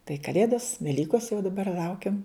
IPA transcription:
tɐɪ kɐˈlʲeːdoːs ʋʲɛˈlʲiːkoːs jɛʊ dɐˈbɐr ˈlˠɐʊkʲɛm

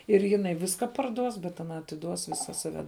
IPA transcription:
ɪr jɪˈnɐɪ ˈʋʲɪskɐ pɐrˈduɔs bʲɛt ɐˈnɐ ɐtʲɪˈduɔs ˈʋʲɪsɐ sɐˈʋʲɛ

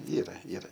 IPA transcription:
ˈiːrɐ ˈiːrɐ

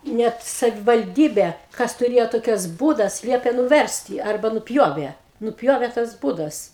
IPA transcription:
ˈnʲɛt sɐʋʲɪʋɐlʲˈdʲiːbʲeː ˈkɐs tʊˈrʲeːjoː ˈtoːkʲɛs ˈbuːdɐs ˈlʲiɛpʲeː nʊˈʋʲɛrʲsʲtʲɪ ˈɐrbɐ nʊˈpʲjoːʋʲeː nʊˈpʲjoːʋʲeː tɐs ˈbuːdɐs

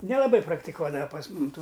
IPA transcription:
nʲɛlˠɐˈbɐɪ prɐktʲɪˈkuɔdɐʋɐ pɐs ˈmʊm ˈtuː

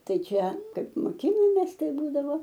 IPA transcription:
ˈtɐɪ ˈt͡ʃʲɛ ˈkɐɪp moːˈkʲɪnoːmʲeːs ˈtɐɪ ˈbuːdɐʋoː

